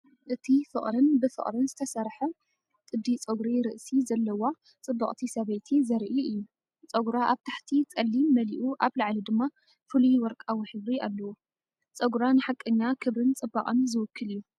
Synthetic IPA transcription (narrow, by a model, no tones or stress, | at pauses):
ʔɨt̪ʰifɨ̰χʼɾɨnbɨfɨ̰χʼɾɨnzɨt̪ʰɐsɐɾħɐ | t̪ʼɨd̪ːit͡sʼoɡɾiɾɨʔsizɐlːɐwa | t͡sʼɨbːɐχʼt̪ʰisɐβɐjt̪ʰizɐɾʔiɨjːu | t͡sʼɐɡuɾaʔaβt̪ʰaħt̪ʰit͡sʼɐlːimɐliʔuʔaβlaʕlid̪ɨmːa | fɨlujwɔɾkʼawiħɨβɾialːɐwo | t͡sʼɐɡɾanɨħakʼːɨɲːakʰɨβɾɨnt͡sʼɨbːaqʼɐnzɨwɨkʰːɨlɨjːu